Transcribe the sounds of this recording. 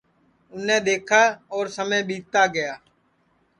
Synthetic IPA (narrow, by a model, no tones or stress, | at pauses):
ʊnẽːɗ̪eːkʰaːɔːɾsəmẽːɓiːt̪aːɡɪjaː